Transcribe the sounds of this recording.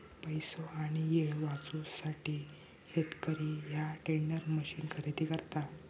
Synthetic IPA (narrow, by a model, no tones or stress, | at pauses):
pəjsoaɽ̃ijeɭʋat͡susaʈʰiː | het̪kəɾiːjaʈeɳɖəɾməɕiːnkʰəɾet̪ikəɾt̪a